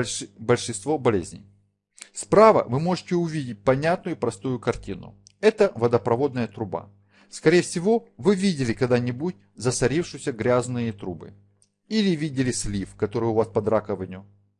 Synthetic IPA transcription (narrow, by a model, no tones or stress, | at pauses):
bəlʲʂɨnst̪vo̞bɐlʲḛzʲnʲɪ̰j | spɾavə̰vɨmo̞ʐɨtʲɪʊvʲidʲɪt̚ʲpɐnʲat̪nʊjʊpɾɐst̪ujʊkɐrtʲinʊ̰ | ɛt̪əvɐd̪əpɾɐvo̞d̪̚nəjət̪ɾʊba̰ | skɐɾʲejfsʲɪvo̞vɨvʲidʲɪlʲɪkɐɡd̪anʲɪbutʲ | zəsɐɾʲifʂɨjʊsʲəɡɾʲaznɨjət̪ɾubɨ̰ | ilʲɪvʲidʲɪlʲɪsʲlʲifkɐt̪o̞ɾɨjʊvaspɐd̪ɾakəvɨnʲʊ